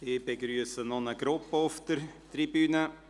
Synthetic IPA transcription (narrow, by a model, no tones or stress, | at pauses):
ɪbeɡɾyːəsənɔnəɡɾʊpːəʊftəɾtribyːnə